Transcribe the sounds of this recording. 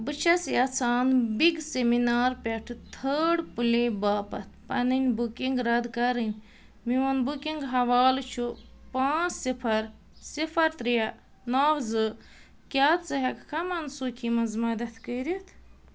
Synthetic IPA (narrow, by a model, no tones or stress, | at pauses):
bɨt͡ʃʰɐsjat͡sʰaːnbiɡseminaːɾpʲeʈʰt̪ʰəːɖpulibaːpɐt̪̚ʰpɐnɨnʲbukiŋɡɾɐd̪kɐɾɨnʲ | miʋɐnbukiŋɡɦɐʋaːlt͡ʃʰupaːt͡ssipʰɐɾ | sipʰɐɾt̪ɾijɐ | naːwzɨ | kʲaːt͡sɨɦɐkkɐmɐnsuːkʰimɐnzmɐd̪ɐt̪ʰkəːɾit̪ʰ